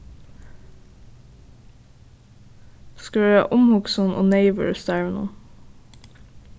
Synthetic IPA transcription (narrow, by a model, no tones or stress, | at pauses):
skʉæ̰ːʔʊmhʊɡsʊnʔo̰ːneɪʋə̰ɹsd̪æːɹəno̰ː